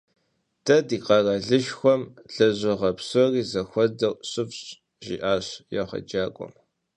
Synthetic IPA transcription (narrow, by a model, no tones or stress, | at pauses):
tʰɐdiːqɐrɐɮɨʃxʷɔmɬɐʑɪʁɐpsɔriːzɐxʷɔdɐɕʼɨfɕʼ | ʒḭʔaːɕjaʁɐ̰d͡ʒaːkʷʼɔ̰m